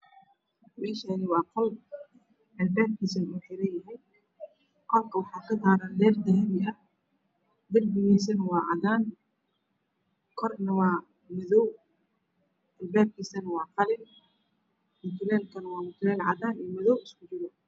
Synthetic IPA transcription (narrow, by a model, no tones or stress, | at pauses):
ʕiːʃɐːnɪwɑːqɔl | ʔɛlbɛːb̚kʰiːsɐnuːħɪɾɐjɐɦɛj | qɔlkʰɐwɑħaːkʰɐdaːɾalɛːrd̪ɐhɛmɪʔɐ | d̪ɐrbɪjɛːs̬ɐnwɑːʕɑðaːn | kʰɔrnɐwɑː | mɪðɔw | ʔɛlbɛːb̚kʰiːsɐnɐwɑːqɑlɪn | mʊt̪ʰʊlɛːlkʰɐnɐwɑːmʊt̪ʰʊlɛːlʕɑðaːniːmɪðɔwɪskʰʊt͡ʃɪɾɔ